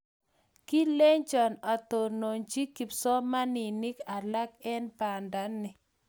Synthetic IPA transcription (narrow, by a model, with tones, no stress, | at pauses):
ki˦le˦ɲt͡ʃɔ˨na˨tɔ˨no˨ɲt͡ʃi˦ki˨psɔ˦ma˦nɪ˨nɪ˦ka˨la˦kɛ˦npa˨nda˦nːɪ˨